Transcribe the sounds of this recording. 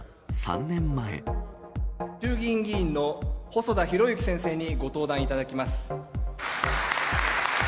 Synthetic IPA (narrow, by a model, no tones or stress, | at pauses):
sã̰nnẽ̞mːaḛ | t͡ɕɨːɡʲĩŋɡʲĩːnːo̞ho̞so̞d̪açiɾo̞jɯkʲi̥sẽ̞ɰ̃se̞ːɲ̟iɡo̞t̪o̞ːd̪ãɰ̃it̪ad̪akʲimasɨ̥